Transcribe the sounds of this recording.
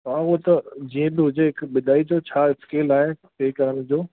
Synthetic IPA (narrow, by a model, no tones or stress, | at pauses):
ɐãut̪ɐd͡ʑiːə̃bɪɦʊd͡ʑeɦɪkɓɪd̪ʱaːid͡ʑot͡ɕʰaːɪskeːlaːɦet̪ʰeːkɐɾəɽ̃d͡ʑoː